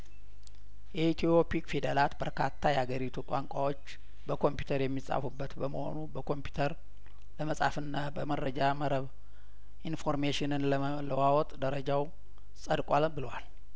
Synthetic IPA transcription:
jɛit̪ʰijo̞pikfid̪əlat̪bəɾkʰat̪ʰːajɛaɡəɾit̪ʰuk̪ʼaŋkʷʼawo̞t͡ʃː | bəkʰo̞mpju̥t̪ʰəɾjɛmːisʼa̰fubːət̪bəməho̞̰nubəkʰo̞mpʰju̥t̪ʰəɾ | ləməsʼa̰fɨnːabəməɾəd͡ʒaməɾəβ | ʔinfo̞ɾmeʃɪnɨnl | ləwawɔt̪ʼd̪əɾəd͡ʒaw | sʼəd̪kʼwalbɨləwal

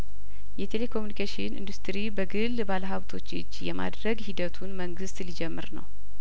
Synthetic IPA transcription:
jɛt̪ʰe̞lekʰomunikʰeʃɪnʔḭnd̪ust̪ɾibəɡɨlbaləɦaβt̪ʰo̞t͡ʃːɨd͡ʒːjɛma̰d̪ɾəɡhid̪ət̪ʰunməŋɡɨst̪lid͡ʒɛmːɨ̰ɾnə̰w

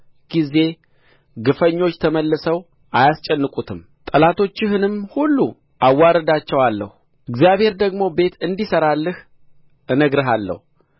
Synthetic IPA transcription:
ɡ̥ize̞ | ɡɨfəɲːo̞t͡ʃːt̪ʰəməlːəsəw | ʔajast͡ʃʼɛnːɨkʼut̪ʰɨm | t̪ʼəlat̪ʰo̞t͡ʃːɪhɨnɨmhulːu | ʔawːaɾəd̪at͡ʃːɛwalːəhu | ʔɨɡzjaβhe̞ɾd̪əɡmo̞be̞t̪ɨnd̪isəɾalːɨh | nəɡɾɨɦalːə̰hu

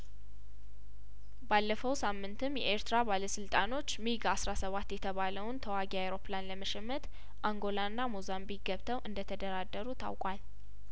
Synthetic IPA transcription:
balːəfəwsamːɨnt̪ʰɨmjɛ̰ʔeɾt̪ʰɾabaləsɨlt̪ʼano̞t͡ʃːmiɡasɾasəβat̪ːjɛt̪ʰəβaləwnt̪ʰəwaɡiawɾo̞planləməʃɛmːət̪ | ʔaŋɡo̞lanːamuzambikɡəβt̪ʰəwʔɨnd̪ət̪ʰəd̪əɾad̪ːəɾut̪ʰa̰wkʼwal

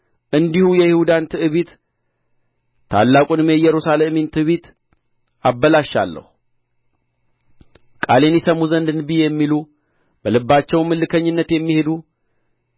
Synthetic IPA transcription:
ʔɨnd̪ihujɛjɪhud̪ant̪ʰɨʔɨβit̪ | t̪ʰa̰lːakʼunɨmejɛɾusalement̪ʰɨβit̪ | ʔabːəlaʃːa̰lːə̰hu | kʼa̰le̞njɛsəmuzənd̪ɨnbijɛmːilu | bəlɨbːat͡ʃːɛwnmɨlːɨkʰəɲːɪnːət̪jɛmːihed̪u

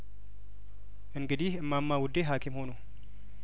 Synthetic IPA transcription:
ʔɨŋɡɨd̪ihɨmːamːawʊd̪ːeɦakʰimho̞nu

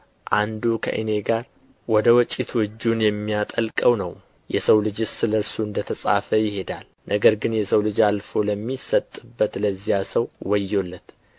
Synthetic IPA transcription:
ʔand̪ukʰə̰ʔɨ̰ne̞ɡaɾ | wɔd̪əwɔt͡ʃʼit̪ʰwɨd͡ʒːunjɛmːijat̪ʼəlkʼəwnəw | jɛsəwlɨd͡ʒɨsɨləɾsuɨnd̪ət̪ʰəsʼa̰fəjɪhe̞d̪al | nʔəɡəɾɡɨnjɛsəwlɨd͡ʒalfo̞ləmːisət̪ʼɨbːət̪ləzːijasəwwɔjːo̞lːət̪

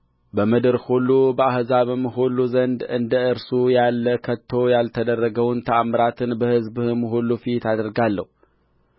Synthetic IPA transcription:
bəmɨd̪ɨɾhulːubəahzaβɨmɨɦulːuzənd̪ɨnd̪əɨɾsujalːəkʰət̪ʰːo̞jalt̪ʰəd̪ərːəɡəwnt̪ʰəʔamɾat̪ʰɨnbəhɨzbɨmɦulːufit̪ad̪ɾɡalːə̰hu

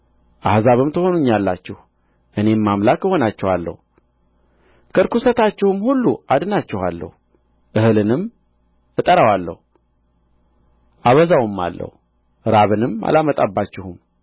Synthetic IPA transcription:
ʔahzaβɨmt̪ʰəho̞nuɲːalːat͡ʃːɪh | ʔɨne̞mːamlakɨho̞nat͡ʃːɛhalːə̰h | kʰəɾkusət̪at͡ʃːɪhumhulːuad̪ɨnat͡ʃːɪha̰lːə̰hu | ʔɨhɨlɨnɨm | ɨt̪ʼəɾawalːə̰h | ʔaβəzawɨmːa̰lːə̰h | ɾaβɨnɨma̰lamət̪ʼabːat͡ʃːɪhum

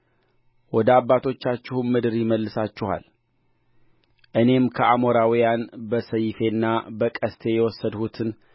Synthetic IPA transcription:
wɔd̪əaβbːat̪ʰo̞t͡ʃːat͡ʃːɪhunmɨd̪ɨɾjɪməlːɨsat͡ʃːɪha̰l | ʔɨne̞mkʰəʔamo̞ɾawijanbəsəjɪfe̞nːabəkʼəst̪ʰe̞jɛwɔsːəd̪hut̪ʰɨn

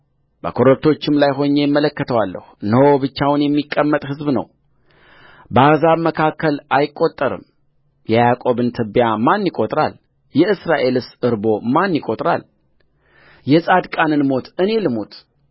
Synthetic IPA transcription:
bəkʰo̞ɾək̚t̪ʰo̞t͡ʃːɪmlajɦo̞ɲːejɪmːələkːət̪ʰəwalːə̰hunəwobɨt͡ʃːawnjɛmːikʼːəmːət̪ʼhɨzbnə̰w | bəazaβməkʰakːəlajɪkʼːo̞t̪ʼːəɾɨ̰m | jɛjakʼo̞βɨnt̪ʰɨbjamanːikʼo̞t̪ʼɾa̰l | jɛɨsɾaʔe̞lɨsɨɾbo̞manːikʼot̪ʼɾa̰l | jɛsʼad̪kʼanɨnmo̞t̪ʰɨne̞lɨmo̞t̪

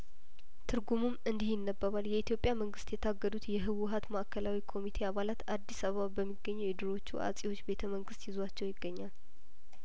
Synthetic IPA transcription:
t̪ʰɨɾɡumumɨnd̪ihɪnːəbːəβaljɛit̪jopʼjaməŋɡɨst̪jɛt̪ʰaɡːəd̪ut̪jɛɦɨwʊɦat̪maʔkʰəlawikʰo̞mit̪ʰeaβalat̪ad̪ːisaβəβabəmːiɡːəɲːuwɪd̪ɨɾo̞t͡ʃːuʔa̰sʼiwo̞t͡ʃːbe̞t̪ʰəməŋɡɨst̪jɪzwat͡ʃːɛwjɪɡːəɲːal

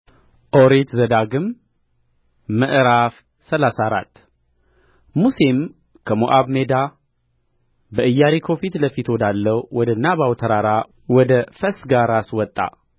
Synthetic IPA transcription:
ʔoɾet̪zəd̪aɡɨm | əʔɨɾaf | səlasaɾa̰t̪ː | musem | kʰəmoʔaβme̞d̪a | bəʔɨjːaɾikʰo̞fit̪ləfit̪wod̪alːəwwɔd̪ənːabawt̪ʰəɾaɾa | wɔd̪əfəsɡaɾaswɔt̪ʼːa̰

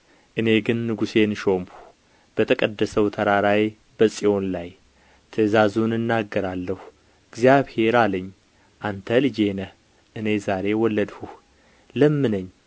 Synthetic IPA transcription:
ʔɨne̞ɡɨnːɨɡuse̞nʃo̞mu̥ | b̥ət̪ʰəkʼəd̪ːəsəwt̪ʰəɾaɾaj | bəsʼijo̞nlaj | t̪ʰəzazunɨnːaɡːəɾalːəhu | ɨɡzjaβhe̞ɾaləɲː | ʔant̪ʰəlɨd͡ʒenə | ʔɨne̞zaɾe̞wɔlːəd̪huh | ləmːɨnəɲː

